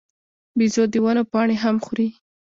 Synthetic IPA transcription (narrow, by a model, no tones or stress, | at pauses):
bizod̪əwanopɑɳeɦamxuɾi